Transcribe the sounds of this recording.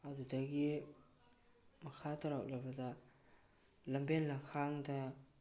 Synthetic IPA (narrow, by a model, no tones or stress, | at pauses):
ɐdudɐɡi | mɐkʰatɐɾao̰ʔlɐbɐdɐ | lɐmbenlɐkʰaŋdɐ